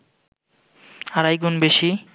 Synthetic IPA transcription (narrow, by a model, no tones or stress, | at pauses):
aɾajɡunbeʃi